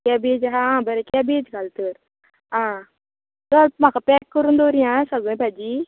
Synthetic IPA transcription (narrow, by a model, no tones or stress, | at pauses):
kabed͡ʑɦãɦãbəɾekabed͡ʑɡʱalt̪əɾ | ɦã | t̪əm̤akapɛkːəɾuːnd̪oɾjãsəɡɭə̃bʱajd͡ʑiː